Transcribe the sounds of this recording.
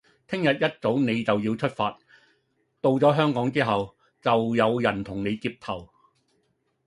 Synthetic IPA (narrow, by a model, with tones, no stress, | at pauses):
t̪ʰɪ˥ŋjɐ˨t̚jɐ˥t̚t͡so˨˥wne˨˧jt͡sɐ˨wjiː˧wt͡ʃʰɵ˥t̚faː˧t̚ | t̪o˨wt͡sɔː˨˥ɦœː˥ŋkɔː˨˥ŋt͡siː˥ɦɐ˨w | t͡sɐ˨wjɐ˨˧wjɐ˨˩nt̪ʰʊ˨˩ŋne˨˧jkiː˧p̚t̪ʰɐ˨˩w